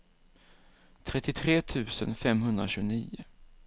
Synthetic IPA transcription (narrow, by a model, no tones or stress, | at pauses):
t̪ʰɾɛt̪ːɪt̪ʰɾeːt̪ʰʉ̟ːsə̰nfɛmɦɵnd̪ɾa̰ɕʉːɡniːʊ